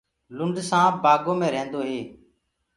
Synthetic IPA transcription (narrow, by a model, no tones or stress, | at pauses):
lʊɳɖsãːbaːɡoːmẽːɾẽːnd̪oːɦeː